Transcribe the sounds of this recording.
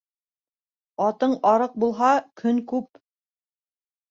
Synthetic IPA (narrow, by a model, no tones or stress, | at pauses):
ɑt̪ɤɴɑɾɤq̚bulˠɦɑkʰɵŋkʉp